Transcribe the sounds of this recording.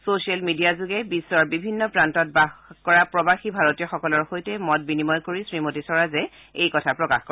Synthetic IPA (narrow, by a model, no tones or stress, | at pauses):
sosialmidijazuɡɛbisːɔɹbibʱinːɔpɹantɔtbaxkɔɹapɹɔbaxibʱaɹotijɔxɔkɔlɔɹxojtɛmɔt̚binimɔjkoɹisɹimotisɔɹazɛ | ejkɔtʰapɹɔkaxko